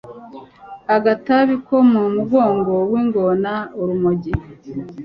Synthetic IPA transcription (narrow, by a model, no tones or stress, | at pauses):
aɡataβiko̞mumuɡo̞ːŋɡo̞wiːŋɡonauɾumoɟi